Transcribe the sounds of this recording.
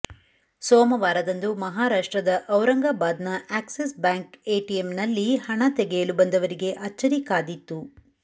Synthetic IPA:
soːmɐʋaːɾɐd̪ɐnd̪umɐɦaːɾaːʂʈɾɐd̪ɐʔɐwɾɐŋɡabaːd̪nɐaːksisbaːŋkeːʈijemnɐlːihɐɳɐt̪ɛɡejɐlubɐnd̪ɐʋɐɾiɡe̞ʔɐt͡ʃːɐɾikaːd̪it̪ːu

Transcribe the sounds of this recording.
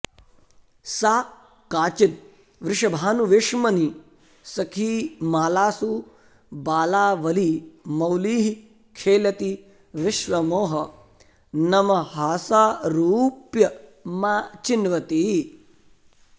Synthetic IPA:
saː | kaːt͡ʃit̪̚ | ʋɾɪʂɐbʱaːnuʋeʂmɐni | sɐkʰiːmaːlaːsu | baːlaːʋɐlimɐwliːɦi | kʰeːlɐt̪i | ʋɪʃʋɐmoːɦɐ | nɐmɐɦaːsaːɾuːpjɐmaːt͡ʃinʋɐt̪iː

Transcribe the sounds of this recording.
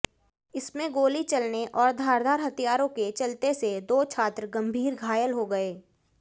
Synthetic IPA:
ɪsmẽɡoːlit͡ʃɐlneʔɔːɾd̪ʱaːɾd̪ʱaːɾɦɐt̪ijaːɾõket͡ʃɐlt̪esed̪oːt͡ʃʰaːt̪ɾɡɐ̃mbʱiːɾɡʱaːjəlɦoɡɐeː

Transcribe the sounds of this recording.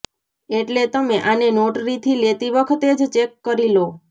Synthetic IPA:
eʈlet̪əmeʔanenoʈɾit̪ʰilet̪iʋəkʰət̪ed͡ʒt͡ʃekːəɾilo

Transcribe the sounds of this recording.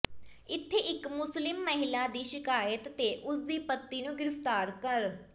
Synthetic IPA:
ɪt̪ʰːeːʔɪkmʊslɪmːəɦɪlaːd̪iːʃɪkaːjət̪ːeːʔʊs̬d̪iːpət̪ːiːnũːɡɪɾɪft̪aːɾkəɾ

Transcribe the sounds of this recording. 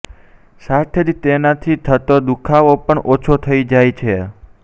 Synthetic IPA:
sat̪ʰed͡ʒ̪t̪enat̪ʰit̪ʰət̪od̪ukʰaʋopəɳʔot͡ʃʰot̪ʰəid͡ʒajt͡ʃʰe

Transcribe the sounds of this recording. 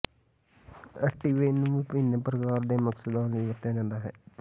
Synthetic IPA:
əʈiːʋeːnũːʋɪpɪĩnəpɾəkaːɾd̪eːməksəd̪ãːləiʋəɾt̪jaːd͡ʒãːnd̪aːɦɛ̰ː

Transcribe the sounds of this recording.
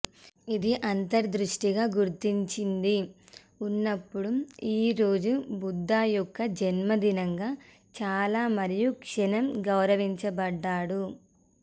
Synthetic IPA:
id̪iʔɐnt̪ɐɾd̪ɾuʂʈiɡaːɡuɾt̪iɲt͡ʃind̪i | unːɐpːuɽuiːɾo̞ːd͡ʒubud̪ːaːjɔkːɐd͡ʒɐnmɐd̪inɐŋɡaː | t͡ʃaːlaːmɐɾijukʂɐnɐmɡɐwɾɐʋiɲt͡ʃɐbɐɖːaːɽu

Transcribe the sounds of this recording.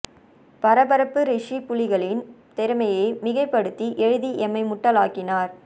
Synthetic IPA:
pɐɾɐbɐɾɐpːɯɾɪʂipʊlɪɣɐɭɪnt̪ɛɾɯmɐjeːmɪɣɐɪpːɐɽɯt̪ːiʔɛɻɯðiʔɛmɐɪmʊʈːɐlaːkɪnaːɾ

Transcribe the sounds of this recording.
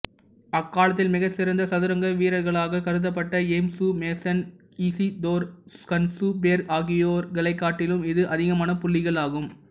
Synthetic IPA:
ɐkːaːlɐt̪ːɪlmɪɣɐsɪɾɐnd̪ɐsɐðɯɾɐŋɡɐʋiːɾɐɾɣɐɭaːɣɐkɐɾɯðɐp̬ːɐʈːɐemsumeːsɐn | iːsid̪oːɾskɐnsubeːɾaːɣɪjoːɾɡɐɭɐɪkːaːʈːɪlɯmɪðɯʔɐðɪɣɐmaːnɐpʊlːɪɣɐɭaːɣɯm

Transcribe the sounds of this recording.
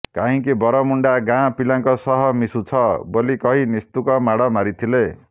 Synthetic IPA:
kaɦĩkibʌɾʌmuɳɖaɡãpilãŋkɔsʌɦʌmisut͡sʰʌbolikʌɦinist̪ukʌmaɽʌmaɾit̪ʰile

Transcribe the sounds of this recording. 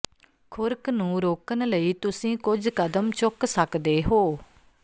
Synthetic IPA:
kʰʊɾknũːɾoːkənləiːt̪ʊsĩːkʊd͡ʒkəd̪əmt͡ʃʊksəkd̪eːɦoː

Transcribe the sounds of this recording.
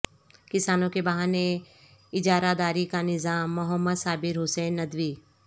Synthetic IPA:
kɪsaːnõkebɐɦaːne | ɪd͡ʒaːɾad̪aːɾikanɪzaːmːʊɦəmːəd̪saːbɪɾɦʊseːnːɐd̪ʋiː

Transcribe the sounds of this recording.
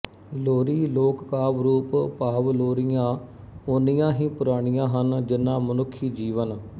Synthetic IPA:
loːɾiːloːkkaːʋɾuːppaːʋloːɾɪjãː | oːnijãːɦĩːpʊɾaːɽ̃ɪjãːɦənd͡ʒɪnːãːmənʊkʰːiːd͡ʒiːʋən

